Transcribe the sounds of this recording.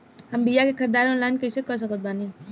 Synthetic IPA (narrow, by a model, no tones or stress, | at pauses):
hɐmbijakekʰɐɾd̪aːɾɔ̃ːnlaːɪnkɐsekɔs̬ɐkət̪̚baːni